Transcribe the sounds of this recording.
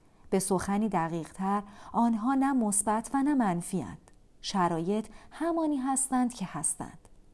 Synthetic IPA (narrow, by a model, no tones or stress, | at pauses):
b̥e̞so̞xæniːd̪æɣiːʁ̥t̪ʰæɾɒːnɦɒːnæmosbæt̪ʰvænæmænfiːæ̰nd̪̥ | ʃæɾɒːje̞t̪ʰhæmɒːniːɦæst̪ænd̪̥cʰe̞hæst̪æ̰nd̪̥